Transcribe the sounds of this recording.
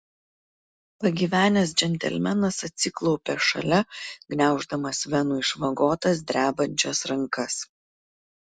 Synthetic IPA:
pɐɡʲiːʋʲæːnʲɛs̬d͡ʒʲɛnʲt̪ʲɛ̰lʲmʲɛnɐsɐt̪ʲsʲɪklˠɒʊpʲɛʃɐ̰lʲɛɡnʲæˑʊʒd̪ɐmɐsʋʲɛnuːɪʃʋɐɡoːt̪ɐs̬d̪ʲɾʲæːbɐnʲt͡ʃʲɛsɾɐŋkɐs

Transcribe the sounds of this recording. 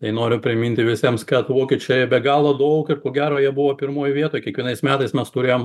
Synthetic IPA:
t̪ɐɪnoːɾʲʊpʲɾʲɪmʲɪnʲt̪ʲɪʋʲɪsʲiɛmskɐt̪ʋoːkʲiɛt͡ʃʲoːjɛbʲɛɡɑːlˠod̪ɐʊkɪrkoːɡʲæːɾoːjiɛbʊʋoːpʲɪɾmoːjʋʲiɛt̪oːjkʲiɛkʋʲiɛnɐɪsmʲæːt̪ɐɪsmʲɛst̪ʊɾʲeːjom

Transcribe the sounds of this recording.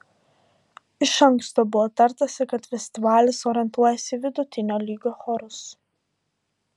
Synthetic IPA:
ɪʃɐŋkst̪oːbʊʋɔːt̪ɐɾˑt̪ɐsʲɪkɐt̪fʲɛsʲt̪ʲɪʋɑːlʲɪsoːɾʲɪɛnt̪uɔjɛsʲɪʋʲɪd̪ʊt̪ʲɪnʲoːlʲiːɡʲoːxɔɾʊs

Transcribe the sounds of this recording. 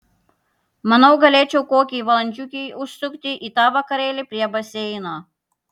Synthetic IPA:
mɐnɐwɡɐlʲeːt͡ʃʲɛwkoːkʲijʋɐlˠɐnʲt͡ʃʲukʲijʊst̪ʊkt̪ʲɪʔit̪ɑːʋɐkɐɾʲeːlʲɪpʲɾʲiɛbɐsʲeːjɪnɐ

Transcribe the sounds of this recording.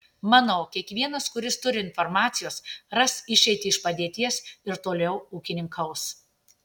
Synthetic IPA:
mɑnoːkʲiɛkʋʲiɛnɐskʊɾʲɪst̪ʊɾʲɪɪnfɔɾmɑːt̪sʲɪjoːsɾɐsɪʃʲɛɪt̪ʲɪɪʃpɐd̪ʲeːt̪ʲiɛsɪɾt̪oːlʲɛʊuːkʲɪnʲɪŋkʰɐʊs

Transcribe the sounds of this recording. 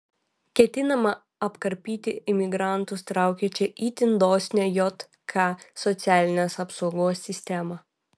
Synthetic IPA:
kʲɛt̪ʲɪnɐmɐ | ɐpkɐɾʲpʲiːt̪ʲɪɪmʲɪɡɾɑˑnt̪ʊst̪ɾɑˑʊkʲɛt͡ʃʲɛʔiːt̪ʲɪnd̪oːsʲnʲɛjɔt̪ | kʰɑsɔt̪sʲæːlʲɪnʲeːsɐpsɔʊɡoːsːʲɪsʲt̪ʲɛmɐ

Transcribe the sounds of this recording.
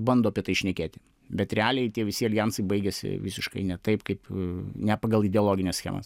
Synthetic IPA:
bɐnd̪oːɐpʲiɛt̪ɐɪʃʲnʲɛkʲeːt̪ʲɪ̥ | bʲɛt̪ɾʲɛæːlʲɛɪt̪ʲiɛʋʲɪsʲɪɐlʲjænsɐɪbɐɪɡʲɛsʲɪ̰ʋʲɪsʲɪʃkɐ̰ɪnʲɛt̪ɐɪpkɐɪpnʲɛpɐɡɐlˠɪd̪ʲɛolˠoːɡʲɪnʲɛsʲxɛ̰ːmɐ̰s

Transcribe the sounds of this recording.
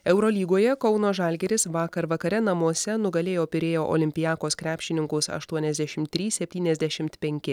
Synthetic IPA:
ɛʊɾoːlʲiːɡoːjɛkɒʊnoːʒɑlʲɡʲɛɾʲɪsʋɑːkɐɾʋɐkɐɾʲɛnɐmuɔsʲɛnʊɡɐlʲeːjoːpʲɪɾʲeːjoːʔo̰ːlʲɪmʲpʲɪjæːkoːskɾʲæːpʲʃʲt͡ʃʲɪnʲɪŋkʊsɐ̰ʃt̪uɔnʲɛzd̪ʲæʃʲɪmt̪ʲːɾʲiːssʲɛpʲt̪ʲiːnʲɛzʲd̪ʲæʃʲɪmt̪pʲɛŋʲkʲɪ

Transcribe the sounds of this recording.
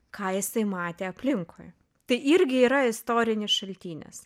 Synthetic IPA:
kʰɑːjɪsɐɪmɑːt̪ʲeːɐpʲlʲɪŋkʰo̰j | t̪ɐɪʔɪɾʲɡʲɪiːɾɐɪst̪oːɾʲɪnʲɪsʃɐlʲt̪ʲiːnʲɛ̰s

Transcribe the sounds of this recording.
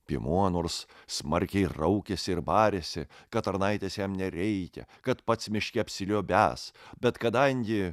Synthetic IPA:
pʲḭmuɔnoːɾssmɐɾʲkʲɛɪɾɐʊkʲesʲɪɪɾbɑːɾʲesʲɪkɐt̪ɐɾnɐɪt̪ʲeːsjɛmnʲɛɾʲɛɪkʲɛ̰kɐt̪pɐt̪smʲɪʃʲkʲɛpʲsʲɪlʲoːbʲæ̰ːsbʲɛt̪kɐd̪ɐŋʲɡʲɪ

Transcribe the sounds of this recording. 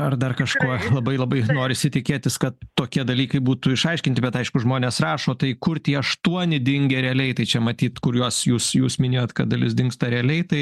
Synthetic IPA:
ɐrd̪ɐrkɐʃkuɔlˠɐbɐɪlˠɐbɐɪnoːɾʲɪsʲɪt̪ʲɪkʲeːt̪ʲɪskɐt̪tːoːkʲiɛd̪ɐlʲiːkɐɪbuːt̪ʊɪʃɐɪʃʲkʲɪnt̪ʲɪbʲɛt̪ɐɪʃkʊʒmoːnʲeːsrɑːʃoːt̪ɐɪkʊrt̪ʲiːɐʃt̪uɔnʲɪd̪ʲɪŋʲɡʲeːɾʲɛɐlʲɛɪt̪ɐɪt͡ʃʲɛmɐt̪ʲiːt̪kʊɾjuɔsjuːsjuːsmʲɪnʲeːjoːt̪kɐt̚d̪ɐlʲɪsd̪ʲɪŋkst̪ɐɾʲɛɐlʲɛɪt̪ɐɪ

